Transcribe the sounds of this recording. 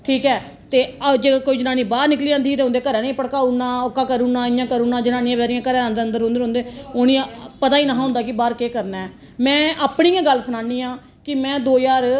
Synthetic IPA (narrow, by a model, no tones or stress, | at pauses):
ʈʰiːkɛː | t̪eːəd͡ʒeːkoːiːd͡ʒnãːnĩːbaːɾnɪkliːãːnd̪iːt̪eːʊ̃nd̪eːkəɾɛ̃ːnĩːpəɽkaːunãːokːaːkəɾuːnãːɪjãːkəɾuːnãːd͡ʒnaːniːãːbɛːɾijãːkəɾɛ̃ːənd̪eːənd̪əɾɦʊ̃nd̪ɾõːnd̪eːonĩːpət̪aːiːnaːɦɦʊ̃nd̪aːkɪbaːɾkeːkəɾnaɛː | mɛ̃ːʔaːpɳiːãːɡəlːsənaːniːãː | kɪmɛ̃ːd̪oːjaːɾ